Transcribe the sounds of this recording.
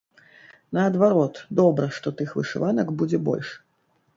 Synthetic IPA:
nɐɐd̪vaɾɔt̪d̪ɔbɾɐʂt̪ɔt̪ɨxvɨ̰ʂɨ̰vanɐkbud͡zʲɛbɔ̰lʲʂ

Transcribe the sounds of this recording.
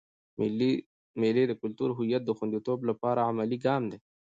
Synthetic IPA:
l | meled̪əkʊlt̪uɾɦʊjat̪̚d̪əxʊnd̪it̪oːblapaːɾaamaliɡɑːmd̪e

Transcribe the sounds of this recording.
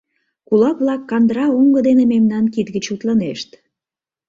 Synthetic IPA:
kulɑkβlɑkːɑnd̪ɾɑuŋɡəd̪enememnɑnkit̪ɡət͡ɕut̪ləneʃt̪

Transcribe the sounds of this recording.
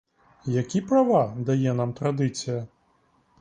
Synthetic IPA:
jakʲipɾavad̪ajɛn̪amt̪ɾad̪ɨt̪sɨjɐ

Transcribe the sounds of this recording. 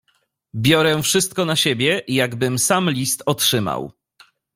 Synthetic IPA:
bʲjɔɾɛfʂɘst̪̚kɔnaɕebʲjɛjaɡbɘmsamlʲist̪ɔtʂɘma̰w

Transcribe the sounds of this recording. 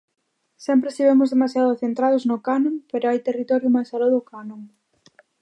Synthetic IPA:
sɛmpɾest̪iβemʊzðemasjaðʊθent̪ɾað̞ʊznʊkanõŋpeɾoajt̪erit̪ɔɾjʊmajsaloðʊkanõŋ

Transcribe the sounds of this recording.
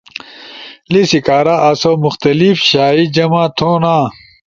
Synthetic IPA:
lisikaːɾaʔɐsomuxt̪ɐlifɕaːid͡ʑɐmãːt̪ʰoːnãː

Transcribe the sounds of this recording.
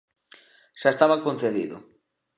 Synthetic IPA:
ʃaest̪aβakõnθeðḭðʊ̰

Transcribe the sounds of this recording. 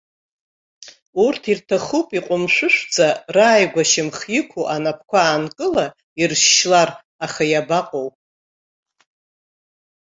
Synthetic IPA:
urtʰirtʰaχupʼiqʷʼʊmʃʷʊʃʷd͡zʼaraːjɡʷaʃɪmχjɪkʷʰuʔanapʰkʷʰaːnkʼɨla | irʃːlar | aχajabaqʼowpʼ

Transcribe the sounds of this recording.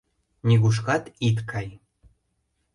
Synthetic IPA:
nʲiɣuʃ̬kɑt̪it̪kʰɑj

